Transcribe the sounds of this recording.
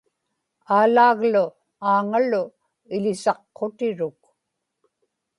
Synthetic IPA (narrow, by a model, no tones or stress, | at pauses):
aːlaːɣlʊ | aːŋalʊ | ɪlɪsɑqːot̪ɪɻʊk̚